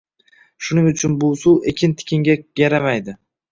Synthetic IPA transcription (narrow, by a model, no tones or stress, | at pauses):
ʃʊnɪŋʊt͡ʃʰʊnbʊsuwekʲʰɪnt̪ʰɪ̥kʲʰɪŋɡʲaɡaɾamajd̪ɪ